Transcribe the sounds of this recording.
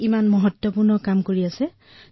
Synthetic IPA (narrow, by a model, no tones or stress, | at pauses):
imanmɔɦɔtwɔpuɹnɔkamkoɹiasɛ